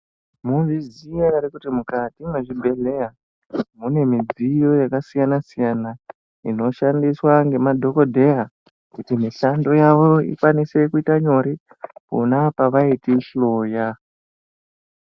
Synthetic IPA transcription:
muviziaaɾikutimukatimweʐibʱe̞le̞ja | mune̞mid͡zijo̞jakasijanasijana | ḭno̞ʃandiswaŋɡe̞madʱo̞ko̞dʱe̞ja | kutimiʃando̞jaʋo̞ḭkwanise̞kuitaɲo̞ɾi | pṵnapaʋaitiʃlo̞ja

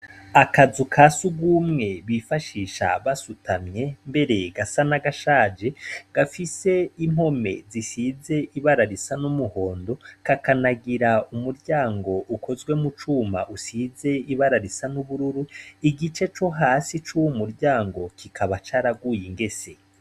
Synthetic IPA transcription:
akazukʰasuɡumŋe̞βifaʃiːʃa̰βasutʰamɲe̞mbe̞ɾe̞ɡasanaɡaʃaːd͡ʒe̞ɡ̥afise̞im̥ho̞me̞̰zisize̞ʔiβaɾaɾisanumuho̞ːndo̞kakanaɡiɾaumuɾɟaːŋɡo̞ʔukʰo̞zɡwe̞mut͡ʃuːma̰ʔusize̞iβaɾaɾisanuβuɾuɾuiɡit͡ʃe̞t͡ʃo̞ɦaːsit͡ʃuwumuɾɟaːŋɡo̞kʰikʰaβat͡ʃaɾaɡuːjiŋɡe̞se̞

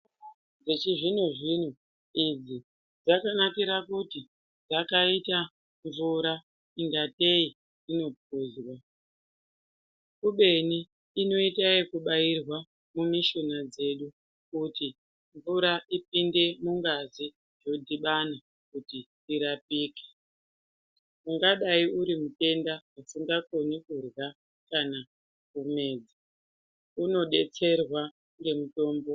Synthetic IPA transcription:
d͡zet͡ʃiʐin̤oʐin̤u | id͡zi | d͡zakanakiɾakuti | d͡zakaita | ɱvuɾa | iŋɡate̞i | ino̞p̚uːzwa | kuɓe̞niː | no̞itaikuɓairwa | mumiʃonad͡ze̞ɗu | kuti | ɱvuɾaʔip̚inde̞muŋɡazi | ʐo̞dʱiɓana | kuti | tiɾapiːke̥ | muŋɡaɗaiuɾimute̞ndaasiŋɡako̞nikurwa | kana | kume̞ːd͡zi | uno̞ɗe̞̰t͡se̞rwa | remuto̞ːmbo̞

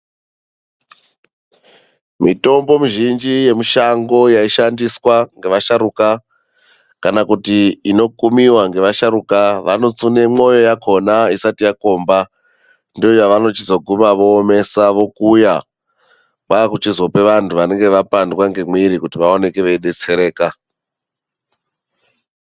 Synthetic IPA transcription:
mito̞mbo̞muʒind͡ʒije̞miʃaŋɡo̞jaiʃandiswaŋɡe̞ʋaʃaɾuka | kanakutiino̞kumiwaŋɡe̞ʋaʃaɾukaʋano̞t͡sune̞mo̞jo̞jakʰo̞naisatijako̞ːmba | ndojaʋano̞t͡ʃizoɡʱumaʋo̞ːme̞saʋo̞kuja | kakut͡ʃizwope̞ʋantʰuʋane̞ŋɡe̞ʋapandwaŋɡe̞miɾikutiʋaone̞ke̞ʋeiɗe̞t͡se̞ɾe̞ːka

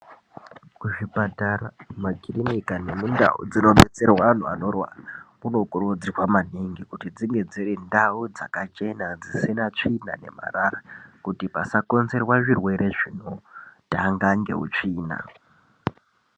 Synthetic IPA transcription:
kuʐipataramaɡʱirinikane̞munda̰ṵd͡zino̞ɓe̞t͡se̞rwaan̤ua̰no̞rwa̰r | unokurod͡zirwamaniŋɡikutid͡ziŋɡe̞d͡zirindaud͡za̰kat͡ʃe̞nad͡zisinat͡ʂina̰ne̞̰ma̰rarakutipasako̞nze̞rwaʐirwe̞ɾe̞ʐin̤otaŋɡaŋɡe̞̰ṵt͡ʂiːna̰

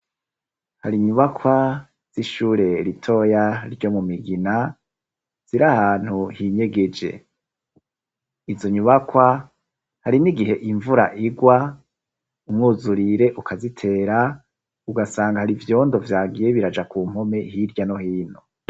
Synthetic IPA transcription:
haɾiɲuβakʰwa | z̥iʃuːɾe̞ɾitʰo̞jaɾɟo̞mumiɡina | z̥iɾahaːn̥huhiɲe̞ɡe̞d͡ʒe̞̰ | izo̞ɲuβakwa | haɾiniɡiɦe̞ʔiɱvuɾa̰ʔiɡwa | umŋuːzuɾiɾe̞ʔukʰazitʰe̞ːɾa | uɡasaːŋɡahaɾivjo̞ːndo̞vjaːɡijeβiɾad͡ʒakuːm̥ho̞me̞hiɾɟano̞hiːn̥o

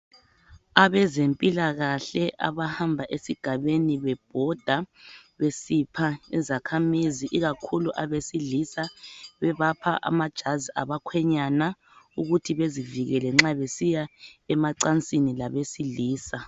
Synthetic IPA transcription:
aβɛzempʼilaɣaɬɛʔa̰βahambʱaʔesiɡ̥ʱaβeniβɛb̥̚ʱɔd̥ʱaβesipʰaizakʰamiziʔiɣakʰuluʔaβesilisaβɛβapʰaʔa̰mad̥ʒ̥ʱazia̰βakʰwɛɲana | uɣutʰiβeziviɣɛlɛŋ͡ǁaβesijaɛmaǀant͡sʼinilaβesiliːsa

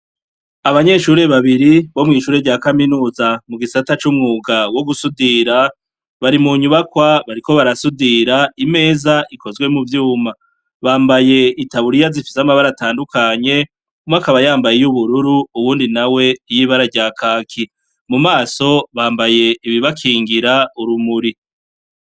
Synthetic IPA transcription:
aβaɲe̞ʃuːɾe̞βaβiɾiβo̞mŋiːʃuːɾe̞ɾɟaːkaminuːzamuɡisatat͡ʃumŋuːɡawo̞ɡusudiɾa | βaɾimuɲuβakwaβaɾiko̞βaɾasudiɾaime̞ːzaʔikʰo̞zɡwe̞muvjuːma | βaːmbaje̞itaβuɾijazifi̥samaβaɾataːndukaɲe̞ | umakaβajaːmbajejuβuɾuɾuuβuːndinawe̞jiβaɾaɾɟaːkʰaːkʰi | mumaːso̞βaːmbaje̞iβiβakʰiːŋɡiɾauɾumuɾi

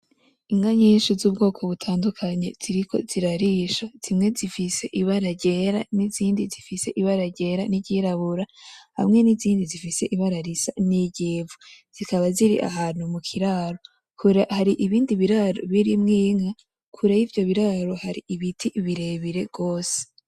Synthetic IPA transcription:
iŋɡaɲiːnʃizuːb̚ɡo̞ːkʰo̞βutʰaːndukʰaɲe̞̰z̥iɾikʰo̞̰z̥iɾaɾiʃaz̥imŋe̞zifise̞ʔiβaɾaɟe̞ːɾaniziːndizifise̞ʔiβaɾaɟe̞ɾaniɟiɾaβuɾaha̰mŋe̞niziːndizifise̞ʔiβaɾaɾisa̰niɟeːvuz̥ikaβaziɾḭʔa̰ɦaːnhumukʰiɾaɾo̞ | kʰuɾahaɾiʔiβiːndiβiɾaɾo̰βiɾimŋiːŋa | kʰuɾajivjo̞βiɾaɾo̞haɾiʔiβitʰiβiɾe̞βiɾe̞ɡ̥o̞ːse̥

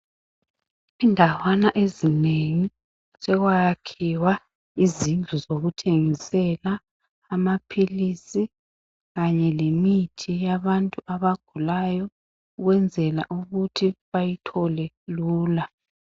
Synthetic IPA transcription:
indʱawanaʔezineŋi | sɛɣwajakʰiwa | izind͡ɮʱuzoɣutʰeŋisɛlaː | mapʰilisi | ɣaɲɛlemitʰijaβantʼuʔaβaɡ̥ʱulajɔ | uɣwɛnd͡zʱɛla̰ʔuɣutʰiβajitʰɔlɛ | luːla

